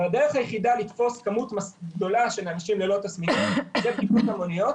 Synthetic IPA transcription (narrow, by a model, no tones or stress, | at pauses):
ad̪e̞ʁeχajeχidalit̪fo̞skamut̪masɡ̚d̪o̞laʃe̞neamiʃimlelo̞t̪asmimmizekiputamo̞nijo̞t̪